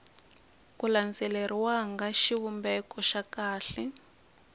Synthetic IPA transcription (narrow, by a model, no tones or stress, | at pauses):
kuland͡zɛlɛɾiwaŋɡaʃiβumbɛkɔʃakaːɬɛ